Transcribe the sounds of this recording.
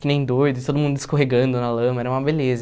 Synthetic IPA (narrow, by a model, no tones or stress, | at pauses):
kɪnẽj̃d̪oɾd̪ʊɪt̪od̪ʊmũnd̪ʊd̪ɪskoɦeɡɐ̃nd̪ʊnalɐ̃mɐɛɾɐũmɐbelezɐ